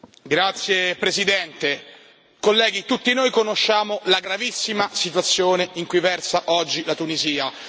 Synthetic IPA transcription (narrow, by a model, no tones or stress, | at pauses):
ɡɾat̪sːjepɾezid̪ɛnt̪e | kolːɛːɡit̪ut̪ːinojkonoʃːaːmolaɡɾavisːimasit̪̬wat̪sːjoːneiŋkujvɛrsaʔɔd͡ʒːilat̪uniziːa